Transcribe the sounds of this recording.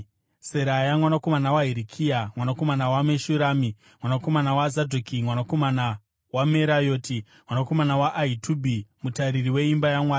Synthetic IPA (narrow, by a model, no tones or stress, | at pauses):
se̞ɾajamwanako̞manawaɦiɾikʰijamwanako̞manawameʃuɾaːmi | mwanako̞manawazadʱokimwanako̞mana | wameɾajo̞ːti | mwanako̞manawaʔːitʰuːbʱimutaɾiriwe̞imbajamwaːa